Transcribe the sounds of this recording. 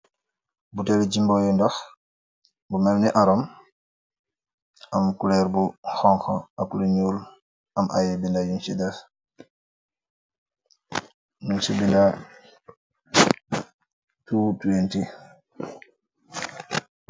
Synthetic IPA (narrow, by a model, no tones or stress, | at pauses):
butɛlid͡ʒimbɔjindɔx | bumɛmnɛʔaɾɔm | amkulɛɾbuxɔŋxɔakuliɲuːl | ʔamʔa̰jɛbindajunʃida | nunsibinda | tuːtuwenti